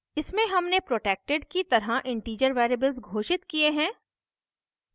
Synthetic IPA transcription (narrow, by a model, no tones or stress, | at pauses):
ɪsmẽɦɐmnepɾoːʈeːk̚ʈeɖkit̪ɐɾɦaʔɪ̃ɳʈiːd͡ʒəɾʋɛːɾebəlzɡʱoːʃɪt̪kieɦɛ̃ː